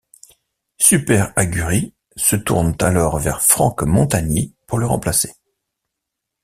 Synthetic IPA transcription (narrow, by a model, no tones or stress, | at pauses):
sypɛʁaɡʲyʁi | sət̪ṵʁnt̪alɔʁvɛʁfχɑ̃kmɔ̃t̪aɲipuʁləʁɑ̰̃plase̥